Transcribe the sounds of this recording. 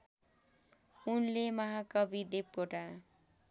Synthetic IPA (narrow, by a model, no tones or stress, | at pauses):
unlemʌɦakʌbid̪ep̚koʈa